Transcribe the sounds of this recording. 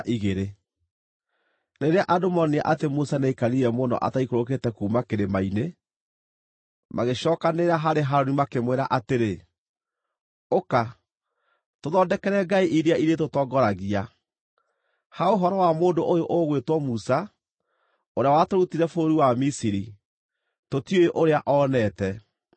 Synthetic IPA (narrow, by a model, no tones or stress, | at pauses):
ʔiɣeɾe | neɾeaʔadomɔniaʔatemusaneikaɾiɾɛmonɔ̰ʔa̰taikoɾok̬etɛkuːmakeɾemaine | maɣeɕɔːkaneɾaɦaɾeɦaɾonimakemweɾa̰ʔateɾe | oka | toðɔdɛkɛɾɛɡaiʔiɾiaiɾetotɔɡɔɾaɣia | haoɦɔɾɔwamoːndoʔojoʔoɣwetwɔmusa | oɾeawatoɾutiɾɛfoɾiwamisiɾi | totiojeʔoɾeaʔɔːnɛtɛ